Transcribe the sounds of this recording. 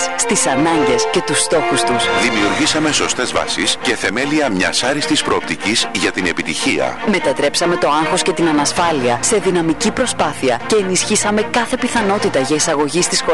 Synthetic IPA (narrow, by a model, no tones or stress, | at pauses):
sst̪isɐnɐɲɟe̞sce̞t̪ust̪o̞xust̪usðimiuɾʝisɐme̞so̞st̪e̞zvɐ̰sisce̞θe̞me̞liɐmɲɐ̰sɐɾist̪ispɾo̞ːp̚t̪icizʝɐt̪ine̞pit̪içiɐ̰me̞t̪ɐt̪ɾe̞psɐme̞t̪o̞ɐŋxo̞sce̞t̪inɐnɐsfɐliɐse̞ðinɐmicipɾo̞spɐθiɐce̞ːnisçisɐme̞kɐθe̞piθɐno̞t̪it̪ɐʝɐisɐɣo̞ʝist̪isxo